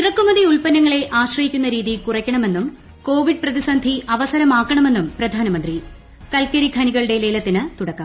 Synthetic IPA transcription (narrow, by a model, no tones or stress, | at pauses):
irɐkːumɐðiuɭpɐnːɐŋːɐɭe̞ʔaːɕrɐhikʲːunːɐɾiːðikurɐkʲːɐɳɐme̞nːum | ko̞ːʋiɖ̚prɐðisɐnd̪ʱiʔɐʋɐsɐɾɐmaːkːɐɳɐme̞nːumprɐd̪ʱaːnɐmɐnd̪ri | kɐlkːɐɾikʰɐniɣɐɭɨɽe̞le̞ːlɐt̪ːinɨt̪uɽɐkːɐmm